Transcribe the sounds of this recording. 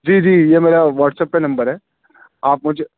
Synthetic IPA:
d͡ʒiːd͡ʒiːjemeːɾaʋaːʈsɛːpkenɐ̃mbəɾɦɛː | aːpmʊd͡ʒʱe

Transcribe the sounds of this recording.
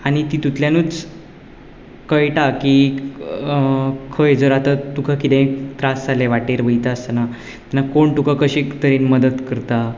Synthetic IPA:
aɽ̃it̪it̪ut̪ljanuːt͡s | kəjʈaki | kʰəjd͡zəɾat̪at̪ukʰakit̪ẽit̪ɾasd͡zaleʋaʈeɾʋəjt̪ast̪əna | t̪anːakoɳt̪ukʰakəɕekt̪əɾenməd̪ət̪kəɾt̪a

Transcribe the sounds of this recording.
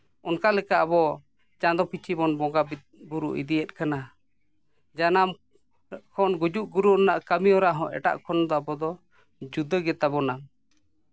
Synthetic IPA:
ɔnkalɛkaʔabɔ | d͡ʒãd̪ɔpʰit͡ʃʰibɔnbɔɡab | buɾuʔḭd̪iɛt̪̚kana | d͡ʒanam | kʰɔnɡud͡ʒuʔɡuɾuɔnaʔkəmiɔɾaʔɦɔ̰̃ʔɛ̰ʈa̰ʔkʰɔnd̪ɔabɔd̪ɔ | d͡ʒud̪əɡɛt̪abɔna

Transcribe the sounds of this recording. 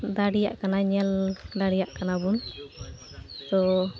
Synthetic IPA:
d̪aɽijaʔkanaɲɛld̪aɽijaʔkanabun | t̪ɔ

